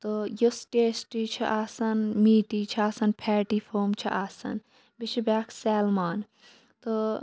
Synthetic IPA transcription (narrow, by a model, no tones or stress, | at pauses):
t̪ojosʈeːsʈit͡ʃʰiʔaːsɐnmiːʈiːt͡ʃʰaːsɐnpʰɛːʈiːfʰoːmt͡ʃʰḭʔaːsɐ̰n | bit͡ʃʰibaːkʰsɛːlmaːn | t̪o